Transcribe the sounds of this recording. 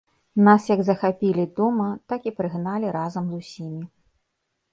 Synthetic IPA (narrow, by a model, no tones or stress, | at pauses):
nasjɐɡzɐxapʲilʲid̪ɔmɐt̪akipɾɨɣnalʲiɾazɐmzusʲimʲi